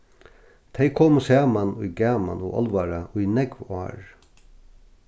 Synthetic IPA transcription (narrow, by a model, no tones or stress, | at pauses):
t̪ʰejkʰoːmsæːmanʊjɡæːma̰nʊ̰ʔɔ̰lʋaɾaʊjnɛkʋɑ̰ːɹ